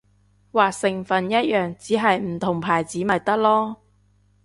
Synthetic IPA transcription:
waː˨sɪ˨˩ŋfɐ˨njɐ˥t̚jœː˨˩ŋt͡siː˨˥ɦɐ˨jm̩˨˩t̪ʰʊ˨˩ŋpʰaː˨˩jt͡siː˨˥mɐ˨t̚t̪ɐ˥k̚lɔː˥

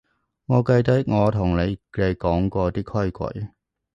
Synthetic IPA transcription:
ŋɔː˨˧kɐ˧jt̪ɐ˨˥ŋɔː˨˧t̪ʰʊ˨˩ŋne˨˧e˨˧jkɔː˨˥ŋkʷɔː˧t̪iː˥kʰɔ˥jkʷɐ̰˨˥j

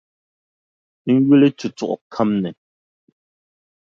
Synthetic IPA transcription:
ŋ̩˦ɣu˦le˦tu˨t͡sɔ̰˦˨ʔkʰa˦mnɛ˨

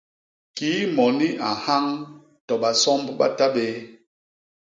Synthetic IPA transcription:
kiː˨˦mɔ˨ni˦a˨ha˦ŋ | tɔ˨ɓa˨sɔ˦mbɓa̰˦ta˦ɓe˦

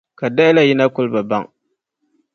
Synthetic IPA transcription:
ka˨da˦ɪ˦la˦ji˦na˦kʊ˦lba˨ba˦ŋ

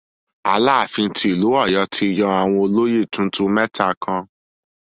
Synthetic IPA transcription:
a̰˧laː˦˨fĩ˧n̩˧ti˧˦i˨lu˨˦ɔ˦˨jɔ˨˧˦tʰi˧˨jɔ̃˧a˨w̃ɔ̃˧o˧lo˦je˦˨tũ˦tũ˦mɛ˦ta˧kã˧

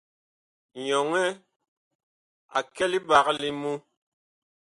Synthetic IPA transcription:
ɲɔ˨ŋɛ˦ | a̰˨kɛ˦li˦ba˨ɣli˦mu˦

